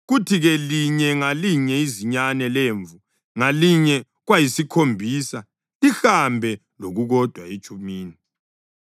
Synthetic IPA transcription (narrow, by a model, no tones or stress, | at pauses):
ɣutʰiɣɛliɲɛŋaliɲɛiziɲanɛleɱvu | ŋaliɲɛ | ɣwajisikʰombʱiːsa | ixambʱɛ | loɣuɣɔd̥ʱwait͡ʃʼumiːni